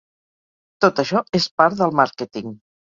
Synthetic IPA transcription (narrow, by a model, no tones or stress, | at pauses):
t̪ot̪əʃɔespaɾt̪ðəlˠmaɾkɛt̪iŋ